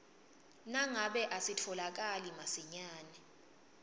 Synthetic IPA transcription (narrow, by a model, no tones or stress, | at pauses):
naŋaɓɛʔasitʰɔlak̬alimasiɲaːnɛ